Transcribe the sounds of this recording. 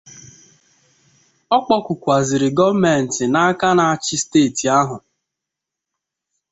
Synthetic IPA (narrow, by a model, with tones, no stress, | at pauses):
ɔ˦k͡pɔ˦kʷʊ˨kʷa˨zɪ˨ɾɪ˨ɡɔ˦me˨n̩˨tɪ˨na˦a˦ka˦na˨t͡ʃɪ˦steː˦˨ti˨a˦ɦʊ˨